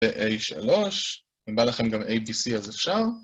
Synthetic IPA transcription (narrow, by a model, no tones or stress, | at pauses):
eʔejʃa̰lo̞ʃ | ibalaχe̞mɡamʔejbisiazefʃaʁ